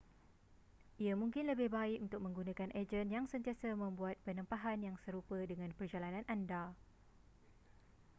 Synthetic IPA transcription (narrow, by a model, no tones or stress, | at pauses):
ʔiamũŋkɪnləbɪhbaɪkunt̪ʊk̚mə̃ŋɡunãkanʔed͡ʒənjaŋsənt̪ijasamə̃mbuat̪̚pənãmpaɦanjaŋsəɾupədəŋãnpərd͡ʒalanãnʔanda